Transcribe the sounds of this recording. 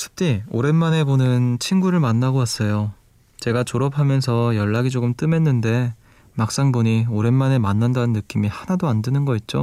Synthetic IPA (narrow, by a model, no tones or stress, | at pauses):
sʰɯ̥p̚t͈io̰ɾe̞nmane̞bonɯnt͡ɕʰinɡuɾɯɭmanːaɡowas͈ʌjo | t͡ɕe̞ɡat͡ɕoɾʌpʰamjʌnsʰʌjʌɭːaɡid͡ʑoɡɯmt͈ɯme̞nːɯnde̞ | mak̚s͈aŋboɲioɾe̞nmane̞manːandanɯnːɯk͈imihanadoandɯnɯnɡʌit̚t͡ɕ͈o